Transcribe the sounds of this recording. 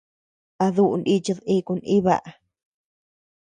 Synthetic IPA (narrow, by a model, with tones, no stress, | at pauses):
a˧ðu˦˧ʔu˧ndi˦t͡ʃi˧ði˧ku˧ni˦βa̰˧˨ʔa˨